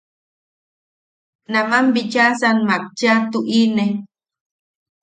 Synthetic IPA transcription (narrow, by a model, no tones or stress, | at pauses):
namambit͡ʃasanmak̚t͡ʃat̪uʔine